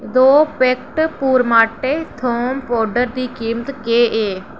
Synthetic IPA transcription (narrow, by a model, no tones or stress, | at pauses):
d̪oːpek̚ʈpuːɾmaːʈeːt̪ʰoːmpoːɖəɾd̪iːkiːmət̪keːʔeː